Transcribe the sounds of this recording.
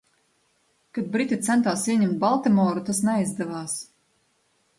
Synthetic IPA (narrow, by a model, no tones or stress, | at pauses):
kad̪̚bɾit̪ʲit̪sɛnt̪aːsiɛɲʲɛmt̪̚balˠt̪ɛmɔːɾut̪asnɛjzd̪ɛvaːs